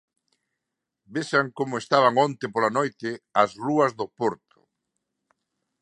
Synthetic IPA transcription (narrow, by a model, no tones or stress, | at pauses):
besaŋkomʊest̪aβ̞aŋõnt̪ɪpolanojt̪ɪɐsruɐzðʊpoɾt̪ʊ̥